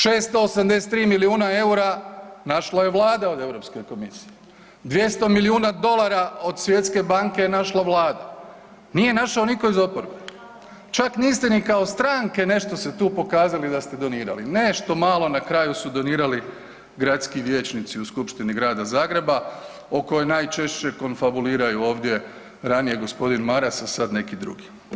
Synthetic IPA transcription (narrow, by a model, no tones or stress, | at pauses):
ʃe̞ːst̪o̞ːsamd̪ese̥t̪ːɾiːmiliuːnae̞uɾanaʃlaje̞ʋlˠaːd̪ao̞d̪e̞ʋɾo̞pske̞ko̞misi̥je | d̪ʋje̞st̪o̞miliuːnad̪o̞lˠaɾao̞d̪sʋje̞t̪ske̞baŋke̞naʃlaʋlˠaːd̪a | nije̞naʃao̞niko̞izo̞poɾbe | t͡ʃakniːst̪enikao̞st̪ɾaːŋke̞ne̞ʃt̪o̞se̞t̪uːpo̞kaːzalid̪ast̪e̞d̪o̞niːɾa̰lineʃt̪o̞malˠo̞nakɾajusud̪o̞niːɾali | ɡɾat̪skiʋje̞ːt͡ɕnit̪siuskupʃt̪iniɡɾaːd̪azaːɡɾe̞ba | oko̞jojnaːjt͡ʃe̞ʃt͡ɕe̞ko̞nfabuliːɾajuo̞ːʋd̪je̞ | ɾanije̞ɡo̞spo̞d̪inmaɾasasad̪ne̞kid̪ɾṵɡi